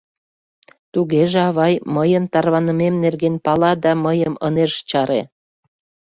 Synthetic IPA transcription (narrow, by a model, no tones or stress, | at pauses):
t̪uɣeʒeɑβɑjməjənt̪ɑrβɑnəmemnerɣenpɑlɑd̪ɑməjəmə̰neʃt͡ɕɑɾḛ